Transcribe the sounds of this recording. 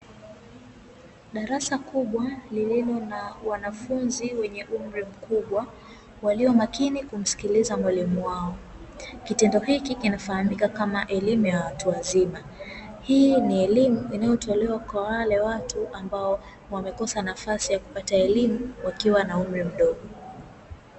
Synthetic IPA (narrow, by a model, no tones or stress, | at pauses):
ɗaɾasakuɓwalililɔnawanafunziwɛɲɛʔum̩ɾim̩kuɓwa | waliɔmakinikum̩si̥kilizamwalimuwaɔ | kitɛndɔhikikinafahamikakamaʔɛlimujawatuazima | hiːniɛlimuinajɔtʰɔlɛwakwawalɛwatuʔambaɔ | wamɛkɔsanafasijaku̥pataɛlimuwakiwanaum̩ɾim̩ɗɔɠɔ